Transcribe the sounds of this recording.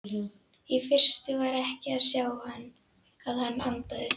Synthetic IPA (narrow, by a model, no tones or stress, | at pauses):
ifɪr̥st̪ɪvaɾɛhcɪaðsjaːwhanː | aðhanːant̪aðɪ